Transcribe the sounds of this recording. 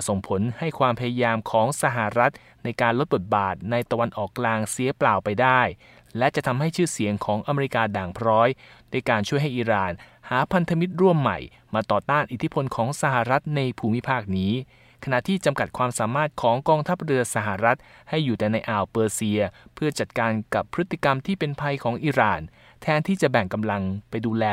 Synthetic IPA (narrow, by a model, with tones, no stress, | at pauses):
so˨˩ŋpʰo˩˦nha˥˩jkʰwaː˧mpʰa˧ja˧jaː˧mkʰɔː˩˦ŋsa˧ɦa˨˩ɾa˦˥t̪̚ | na˧jkaː˧nlo˦˥t̪̚bo˨˩t̪̚baː˨˩t̪̚na˧jt̪a˧wa˧nʔɔː˨˩kːlaː˧ŋsi˨˩˦plaː˨˩wpa˧jdaː˥˩j | lɛ˦˥t͡ɕa˨˩ʔt̪ʰa˧mɦa˥˩jt͡ɕʰɯː˥˩si˨˩˦əŋkʰɔː˩˦ŋʔa˧me˧ɾi˦˥kaː˧daː˨˩ŋpʰɾɔː˦˥jdaː˥˩jkaː˧nt͡ɕʰu˥˩əjɦa˥˩jʔiː˧ɾaː˨˩nhaː˩˦pʰa˧nt̪ʰa˧mi˦˥t̪̚ɾu˥˩əmːa̰˨˩j | maː˧t̪ɔː˨˩t̪aː˥˩nʔi˨˩t̪ʰi˦˥pʰo˧nkʰɔː˩˦ŋsa˧˩ɦa˨˩ɾa˦˥t̪̚na˧jpʰuː˧˩mi˦˥pʰaː˥˩k̚niː˦˥ | kʰa˧na˨˩t̪ʰiː˥˩t͡ɕa˧mka˨˩t̪̚kʰwaː˧msaː˩˦maː˥˩t̪̚kʰɔː˩˦ŋkɔː˧ŋt̪ʰa˦˥p̚ɾɯ˧ɐsa˧˩ɦa˨˩ɾa˦˥t̪̚ha˥˩jːuː˨˩t̪ɛː˨˩na˧jʔaː˨˩wpɤː˧si˧ɐpʰɯ˥˩t͡ɕa˨˩t̪̚kaː˧nka˨˩pʰːɾɯ˦˥t̪ːi˨˩ka˧mt̪ʰiː˥˩pe˧npʰa˧jkʰɔː˩˦ŋʔiː˧ɾaː˨˩n | t̪ʰɛː˦˥nt̪ʰiː˥˩t͡ɕa˨˩bɛ˨˩ŋka˧mla˧ŋpa˧jduː˧lɛː˧